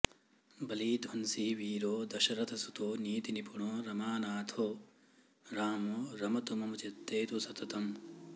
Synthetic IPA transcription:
bɐliːd̪ʱʋɐnsiʋiːɾoːd̪ɐʃɐɾɐt̪ʰɐsut̪oːniːt̪inipʰuɳoːɾɐmaːnaːt̪ʰoː | ɾaːmoɾɐmɐt̪umɐmɐt͡ʃɐt̪ːeːt̪usɐt̪ɐt̪ɐm

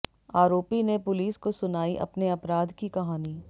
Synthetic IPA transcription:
aːɾoːpinepʊliːskosʊnaːiʔɐ̰pneɐpɾaːd̪kikɐɦaːniː

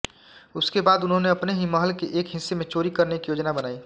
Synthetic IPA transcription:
ʊskebaːd̪ʊnɦõneɐpneɦimɐɦəlkeʔeːkɦɪsːemẽt͡ʃoːɾikɐɾnekijoːd͡ʒnabɐnaːiː

